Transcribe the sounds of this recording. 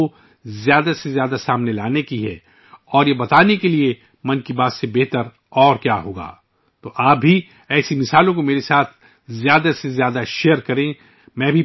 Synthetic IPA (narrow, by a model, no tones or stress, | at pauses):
o | zjaːd̪asezjaːd̪asaːmnelaːnekiɦɛ̰ː | ɔːɾjebɐt̪aːnekelie | mɐ̃nkibaːt̪sebɛɦt̪əɾ | ɔːɾkjaːɦoːɡa̰ː | t̪oːʔaːp̚bʱi | ɛːsimɪsaːlõkomeːɾesaːt̪ʰ | zjaːd̪asezjaːd̪aʃeːəɾkɐɾẽː | mɛ̃ːbʱi